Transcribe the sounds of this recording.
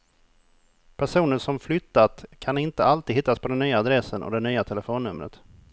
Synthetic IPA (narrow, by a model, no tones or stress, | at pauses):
pʰæʂuːnəʂɔmflʏt̪ːat̪kʰanɪnt̪əalt̪iːd̪ɦɪt̪ːaspʰɔd̪ɛnːyːaːd̪ɾɛsːənʔɔ̰d̪ɛnyːat̪ʰɛləfoːnːɵmɾə̰t̪